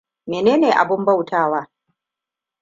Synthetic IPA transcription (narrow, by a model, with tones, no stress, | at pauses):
meː˨neː˦neː˨ʔa̰˨bʊ˦mba˦˨wtʰaː˦˨waː˦